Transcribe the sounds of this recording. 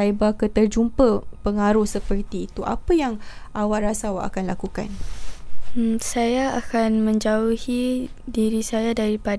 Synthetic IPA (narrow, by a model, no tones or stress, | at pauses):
aibakət̪ərd͡ʒumpəpəŋaɾuhsəpərt̪iːt̪uʔa̰pəjaŋʔawaʔrasawaʔa̰kanlakuka̰n | msajaakanmə̃ɲd͡ʒauhidiɾisajadaɾipad